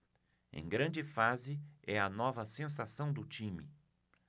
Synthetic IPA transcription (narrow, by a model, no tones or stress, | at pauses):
ḛ̃j̃ɡɾɐ̃nd͡ʒɪfazɪɛɐnɔvɐsẽs̬asɐ̃w̃d̪ʊt͡ʃĩmɪ̰